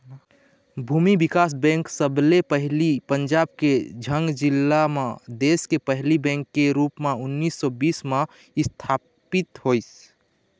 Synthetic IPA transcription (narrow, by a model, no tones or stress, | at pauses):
bʱuːmibɪkaːs̬bɛ̃ːŋksəblepəɦlipəɲd͡ʒaːb̚ked͡ʒʱəŋɡd͡ʒɪlːamãd̪eːskepəɦlibɛ̃ːŋkːeɾuːpmẽʊnːiːsːɔbiːsmã | ɪst̪ʰaː | pɪt̪ɦois